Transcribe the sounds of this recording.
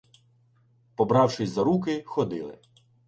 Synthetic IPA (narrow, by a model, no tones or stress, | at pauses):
pɔbɾɑwʂɪsʲzɐɾukɪxɔd̪ɪ̰lˠɪ̰